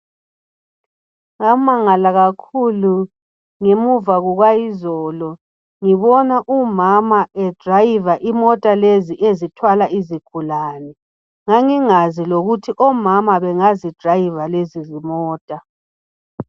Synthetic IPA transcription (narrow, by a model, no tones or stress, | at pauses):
ŋamaŋalaɣakʰulu | ŋemuvaɣuɣwajizɔːlɔ | ŋiβɔnaʔumamaɛd̥rajivaʔimɔtʼaleziʔezitʰwalaiziɡ̥ʱulaːnɛ | ŋaŋiŋaziloɣutʰiʔɔmamaβɛŋazid̥ʱrajivalezizimɔːtʼa